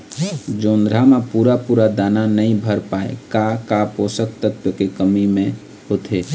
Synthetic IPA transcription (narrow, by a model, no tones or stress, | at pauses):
d͡ʒoːnd̪ɾamepuːɾapuːɾad̪aːnanəɦĩbʱəɾpaːḛkakapoːsək̚t̪ət̪wjəkekəmimẽ | ɦoːt̪ʰeː